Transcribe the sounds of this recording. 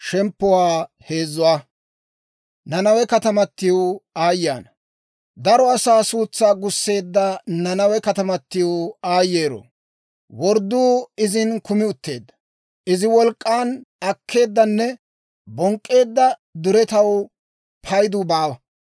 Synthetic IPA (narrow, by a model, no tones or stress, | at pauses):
ʃɛmpːʊwaː | he̞ːzːʊwaː | nɐnɐwɛkɐt̪ɐmɐt̪ːɪjoaːjːaːnɐ | d̪ɐɾɔɐsaːsuːt͡sːaːɡʊsːe̞ːd̪ːɐnɐnɐwɛkɐt̪ɐmɐt̪ːɪjoaːjːeːɾɔ̰ | wɔɾd̪ːuːɪzɪnkʊmɪʊt̪ːe̞̰ːd̪ːɐ̥ | ʔɪzɪwɔlkʼːaːnɐkʰːe̞ːd̪ːɐnːɛ | bɔŋkʼːe̞ːd̪ːɐd̪ʊɾɛt̪ɐw | pʰɐjd̪ʊbaːwɐ